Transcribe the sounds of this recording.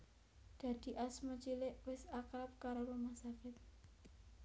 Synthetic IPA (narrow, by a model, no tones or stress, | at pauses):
d̪̥a̤d̪̥i̤ʔasmat͡ʃilɪʔwɪsakɾap̚kaɾopəmasakɪt̪̚